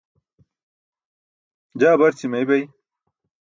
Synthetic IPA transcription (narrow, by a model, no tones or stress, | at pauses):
d͡ʑaːbɐɾt͡ɕʰimɐjbɐj